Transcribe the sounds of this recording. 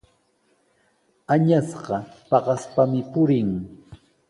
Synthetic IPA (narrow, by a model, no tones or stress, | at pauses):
aɲasɢɑpɑɢɑspamɪpʊɾɪŋ